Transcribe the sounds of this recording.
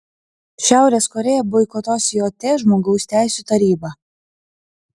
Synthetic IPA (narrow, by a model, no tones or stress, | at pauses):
ʃʲæˑʊɾʲeːskɔɾʲɛːjɛbɔɪkɔt̪oːsjoːt̪ʲeːʒmoːɡɐʊsʲt̪ʲæˑɪsʲuˑt̪ɐɾʲiːbɑ